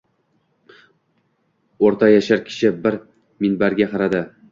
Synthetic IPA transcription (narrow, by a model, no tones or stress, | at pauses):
oɾt̪ʰajaʃaɾkʲʰɪ̥ʃɪbɪɾ | mɪnbaɾɡʲaqɑɾad̪ɪ